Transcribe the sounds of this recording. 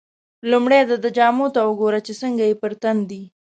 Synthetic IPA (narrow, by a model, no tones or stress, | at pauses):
lumɽed̪ad̪əd͡ʒɑmot̪awəɡoɾat͡ʃesəŋɡajepəɾt̪and̪i